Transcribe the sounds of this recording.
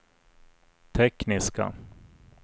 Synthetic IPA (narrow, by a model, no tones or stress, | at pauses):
t̪ʰɛknɪska̰